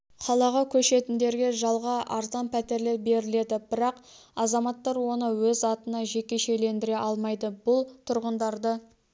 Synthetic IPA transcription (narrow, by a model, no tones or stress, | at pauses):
qʰɑlˠɑʁɑkʲʰɵʃe̞t̪ɪnd̪e̞ɾɡʲe̞ʒɑlˠʁɑʔɑɾzɑnpʰæt̪e̞ɾlebe̞ɾɪle̞d̪ɪbɪɾɑq | ɑzɑmɑt̪ːɑɾwo̞nəwɵzɑt̪ənɑʒe̞kʲe̞ʃe̞le̞nd̪ɪɾe̞ʔɑlˠmɑjd̪əbʊlˠt̪ʰʊɾʁənd̪ɑɾd̪ə